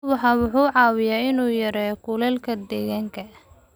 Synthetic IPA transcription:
wɑħɑːwʊħuːʕɑːwɪjaːɪnuːjɐɾɛːkʰʊlɛlkʰɐd̪ɛːɣaːŋkʰɐ

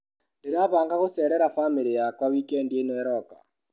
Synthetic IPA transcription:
neɾaβaːŋɡaɣosɛːɾɛɾafamiɾijakwawikɛndjenɔɛɾɔka̰

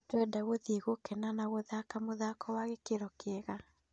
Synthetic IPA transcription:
twɛdaɣoðeɣokɛnanaɣoðakamoðakɔwaɣekeɾɔkeɛɣa

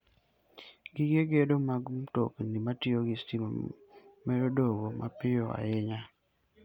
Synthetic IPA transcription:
ɡɪɡeɡedomaɡmtoknimatɪoɡistimomɛɾodoɡoma̰pɪjɔa̰jɪɲa

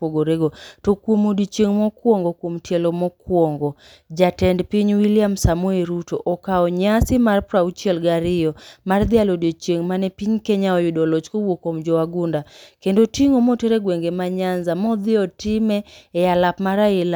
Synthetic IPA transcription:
poɡoɾeɡotokwomodit͡ʃeŋmɔkwɔŋɡɔkwomtjɛlɔmɔkwɔŋɡɔ | d͡ʒatɛndpiɲwilɪamsamweɾutoʔɔkaɔɲasɪmarpɾaut͡ʃiɛlɡaɾɪjɔmard̪ɪalodot͡ʃeŋmanɛpiɲkɛɲaɔjʊdɔlɔt͡ʃkowokɔmd͡ʒɔwaɡʊndakendotiŋomoteɾeɡweŋɡemaɲanzamɔd̪ɪɔtɪmɛːjalapmaɾaɪla

